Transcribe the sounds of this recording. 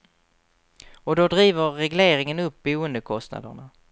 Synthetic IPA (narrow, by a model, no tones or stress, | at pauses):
ɔd̪ɔd̪ɾiːvəɾːɛɡleːɾɪŋənɵp̚buːənd̪əkʰɔst̪na̰d̪ə̰ɳa